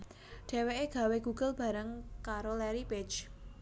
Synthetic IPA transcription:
ɖ̥e̤weʔeɡ̥a̤weɡ̥uɡ̥ʊlb̥a̤ɾəŋkaɾolɛɾibɪd͡ʒ

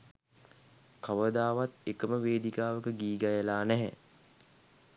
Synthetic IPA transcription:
kaʋəd̪aːʋat̪ekəməʋeːd̪ikaːʋəkəɡiːɡajəlaːnæɦɛ̰

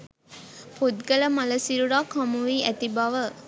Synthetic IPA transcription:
pot̪ɡɐlɐmɐlɐsiɾuɾaːkɐmuʋiːʔæt̪ibɐʋə

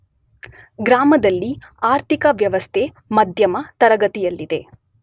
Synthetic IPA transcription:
ɡɾaːmɐd̪ɐlːiaːɾt̪ikɐʋjɐʋɐst̪ʰe | mɐd̪ʱjɐmɐt̪ɐɾɐɡɐt̪ijɐlːid̪e̞

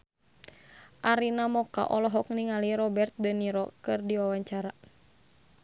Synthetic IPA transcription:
ʔaɾinamɔka̰ʔɔlɔɦɔk̚niŋaliɾɔbɛrt̪̚dəniɾɔkɨrdiwawaɲt͡ʃaɾa

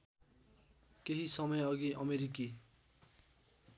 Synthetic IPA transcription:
keɦisʌmʌjʌɡiʔʌmeɾiki

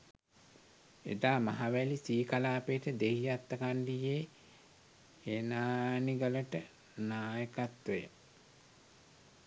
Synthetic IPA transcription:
ḛd̪aːmaɦaʋælisiːkalaːpejʈəd̪eɦijat̪ːəkaɳɖijeː | enaːniɡələʈə | naːjəkat̪ʋəjə̰

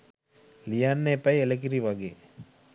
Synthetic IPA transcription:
lijanːepajelek̬iɾiʋaɡe

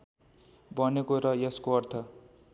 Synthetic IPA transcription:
bʌnekoɾʌjeskoʌrt̪ʰʌ

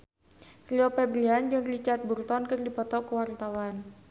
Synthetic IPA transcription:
riɔpɛbɾiand͡ʒɨŋrit͡ʃart̪̚burt̪ɔnkɨrdipɔt̪ɔkəwart̪awan

